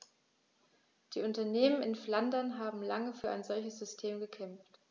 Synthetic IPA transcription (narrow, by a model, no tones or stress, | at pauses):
d̥iːʊntɐneːmənɪnflandɐnɦaːbm̩laŋəfyːɐʔa̰ɪnzɔlçəsz̥ʏstʰeːmɡəkʰɛmft